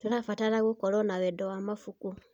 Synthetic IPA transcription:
tulafatalaɣukolonaβedowamafuku

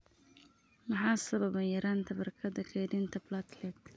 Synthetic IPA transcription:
mɐħɑːsɐβɐbɛjɐɾaːnt̪ʰɐbɐrkʰɐd̪ɐkʰɛjdɪnt̪ʰɐblat̪lɛt̪

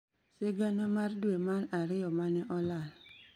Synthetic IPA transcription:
seɡanamaɾduemaɾaɾɪɔmanɛʔɔlal

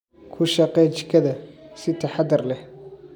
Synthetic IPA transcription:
kʰʊʃɐqɛt͡ʃɪ̥kʰɐðɐsɪt̪ʰɐħɑd̪ɐrlɛh

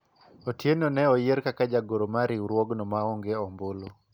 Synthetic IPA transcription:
otjenonɛɔjeɾkakad͡ʒaɡoɾomaɾiuɾwɔɡnɔmaɔŋɡeɔmbolo

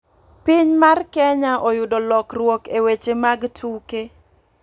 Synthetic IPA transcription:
piɲmarkɛɲaʔɔjʊdɔlɔkrwɔkewet͡ʃemaɡtʰuke

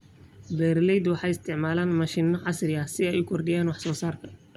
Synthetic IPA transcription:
bɛːɾlɛjd̪wɑħɑjɪst̪ʰɪʕmaːlaːnmɑʃinːɔʕɑsrɪjɐsɪɛjʊkʰɔrɖɪjaːnwɑħsɔːsaːrkʰɐ

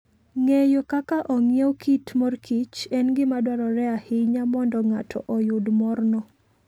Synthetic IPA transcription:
ŋejokakaʔɔŋjewkitmɔrkʰit͡ʃɛnɡɪmadwaɾɔɾɛahɪɲamɔndɔŋatʰɔ̰ʔɔjʊdmɔrnɔ

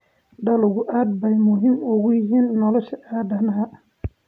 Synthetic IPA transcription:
ɖɐlʊɣʊʔaːd̪̚bɛjmʊɦimʊɣʊjɪɦiːnːɔlɔʃɐʔaːd̪ɐnɐɦɐ

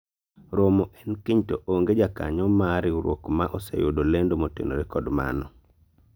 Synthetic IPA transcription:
ɾomoʔɛnkiɲtoʔoŋɡed͡ʒaka̰ɲɔmaɾiuɾwo̰kmaʔɔsḛjodolendomotḛnoɾekɔdma̰nɔ

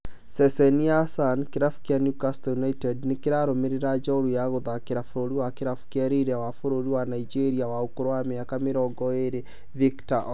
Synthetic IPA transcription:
sɛsɛniasankeɾafu̥kjanjukastjunaitɛdnekeɾaɾomeɾeɾad͡ʒaoɾujaɣoðakeɾafoɾoɾiwakeɾafu̥kjɛɾiɾɛwafoɾoɾiwanaid͡ʒeɾiawaokoɾowameakameɾɔŋɡɔeɾe | viktaʔ

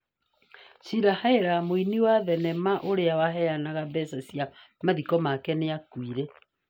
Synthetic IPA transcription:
siɾahaeɾamoiniwaðɛnɛmaʔoɾeawaɦɛjanaɣabɛsasija | maðikɔmakɛneakwiɾɛ

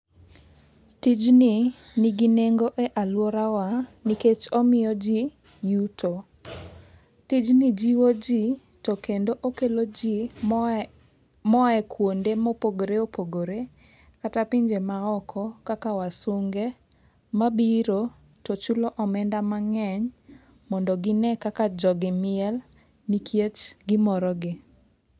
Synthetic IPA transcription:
tid͡ʒni | niɡineŋɡoʔɛʔalwɔɾawaniket͡ʃɔmɪjɔd͡ʒi | jutʰo | tid͡ʒnid͡ʒiwod͡ʒi | tɔkendoʔokelod͡ʒi | mɔɛkwondemɔpoɡoɾeopoɡoɾe | katapɪɲd͡ʒemaɔkʰɔkakawasʊŋɡe | mabiɾo | tɔt͡ʃuloʔɔmɛndamaŋɛɲ | mɔndɔɡɪnɛkakad͡ʒɔɡɪmɪɛl | nikʰjet͡ʃɡɪmɔɾɔɡɪ

